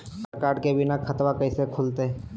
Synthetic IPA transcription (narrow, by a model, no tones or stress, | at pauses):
kaːɾɖkebɪnakʰɐt̪wakɐɪsekʰʊlt̪e